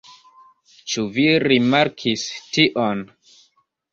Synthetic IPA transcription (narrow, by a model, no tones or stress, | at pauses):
t͡ʃuviɾimaɾkʰistiʔon